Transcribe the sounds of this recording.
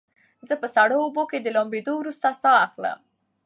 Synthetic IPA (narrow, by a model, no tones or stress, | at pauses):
zəpəsaɽooboked̪əlombed̪owɾust̪asɑaxlə̰m